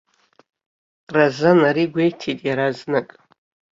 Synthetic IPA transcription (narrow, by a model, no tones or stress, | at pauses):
razanaɾiɡʷejtʰitʼjaɾaznɨkʼ